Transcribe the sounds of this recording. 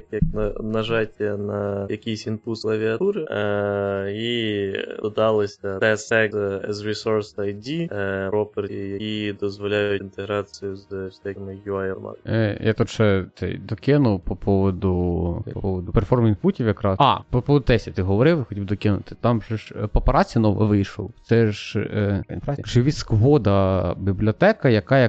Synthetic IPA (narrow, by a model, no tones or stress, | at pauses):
kjɐknɐnɐʒɑtʲɐnɐjɐkʲijsʲinpuslˠɐʋʲiɐt̪uɾɪ | i | ɔd̪ɑlˠɪsʲɐt̪ɛsɛɛzɾisɔɾsɐjdʲiɾɔpeɾjɐkʲid̪ɔzʋɔlʲajʊint̪eɦɾɑt͡sʲijʊzwsʲɛmɪjuajɛlma̰njɑt̪ut̪t͡ʃɛt̪sɛ̰jd̪ɔkʲɪnʊpɔpʰɔʋɔd̪ʊppɔʋɔd̪ʊpɛrfɔrminfutʲiwjɐkɾɑɑ̰pɔpɔʋɔd̪ʊt̪ɛsʲit̪ɪɦɔʋɔɾɪwxɔtʲibd̪ɔkʲɪnʊ̰t̪ɪ̥t̪ɑmʒɛʒpɔpɐɾɑt͡sʲijɐnɔʋɐ̰ʋɪjʃɔ̰w̪sɛʒ | ḭnfɾat͡sʲijʒɪʋʲiskʋɔd̪ɐbʲiblʲɔt̪ɛkɐjɐkɑjɐ